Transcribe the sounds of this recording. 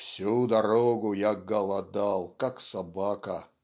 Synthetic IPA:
fsʲud̪ɐɾoɡʊjaɡɐlˠɐd̪alˠkaksɐbakɐ

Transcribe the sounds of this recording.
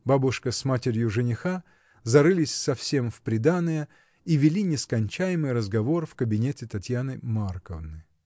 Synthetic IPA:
babʊʂkəsmatʲɪɾʲjʊʐɨnʲɪxa | zɐɾɨlʲɪsʲsɐfsʲe̞mfpɾʲɪd̪anɨjə | ivʲɪlʲinʲɪskɐnʲt͡ɕæjɪmɨjɾəzɡɐvo̞rfkəbʲɪnʲetʲɪt̪ɐtʲjanɨmarkəvnɨ

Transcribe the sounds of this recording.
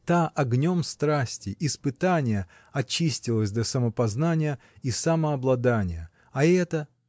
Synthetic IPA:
t̪aʔɐɡnʲo̞mst̪ɾasʲtʲɪʔɪspɨt̪anʲɪjə | ɐt͡ɕːisʲtʲɪlˠəsʲd̪ʲɐsəməpɐznanʲɪjə | isaməɐblˠɐd̪anʲɪjə | ɐɛt̪ə

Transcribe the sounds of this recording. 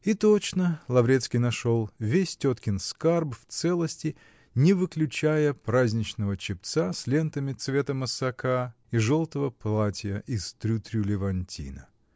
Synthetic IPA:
it̪ot͡ɕnəlˠɐvɾʲet̪skʲɪjnɐʂo̞lˠvʲesʲtʲot̪kʲɪnskarbft̪sɛlˠəsʲtʲɪ | nʲɪvɨklʲʉt͡ɕæjəpɾazʲnʲɪt͡ɕnəvət͡ɕɪp̚t̪sasʲlʲent̪əmʲɪt̪svʲe̞t̪əməsɐkʰa | iʐolˠt̪əvəplˠatʲɪjəʔɪst̪ɾʲut̪ɾʲulʲɪvɐnʲtʲʰḭnə

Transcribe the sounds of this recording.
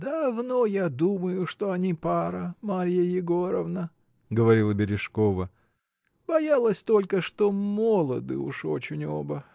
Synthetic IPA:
d̪ɐvno̞jad̪uməjʊʂt̪o̞ɐnʲipaɾəmaɾʲjəjɪɡo̞ɾəvnə | ɡəvɐɾʲilˠəbʲɪɾʲɪʂkovə | b̥ɐjalˠəsʲt̪o̞lʲkəʂt̪omolˠəd̪ɨ̰ʊ̰ʂot͡ɕɪnʲo̰bə

